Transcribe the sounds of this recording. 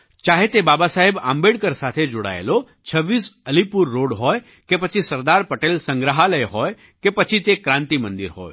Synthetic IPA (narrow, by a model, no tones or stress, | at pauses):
t͡ʃaːɦet̪ebaːbasaːɦɪba̰ːmbeːɽkəɾsaːt̪ʰed͡ʒʊɽa̰ːḛlo | t͡ʃʰɐʋːiːsɐlipʊɾːoːɽɦɔːe | kepɐt͡ʃʰisɐɾd̪aːɾpɐʈeːlsɐ̃ŋɡɾəɦalɐeɦoːe | kepɐt͡ʃʰit̪ekɾãːnt̪imɐ̃nd̪ɪɾɦo̰ːe